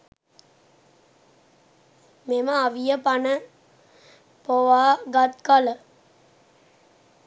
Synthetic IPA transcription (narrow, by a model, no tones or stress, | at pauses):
meməaʋijəpanə | poʋaːɡat̪kalə